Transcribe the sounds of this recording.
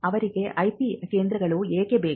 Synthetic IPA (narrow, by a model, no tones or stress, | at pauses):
ɐʋɐɾɯkːeʔɐɪpikeːnd̪ɾɐɣɐɭoeːkːeːbeː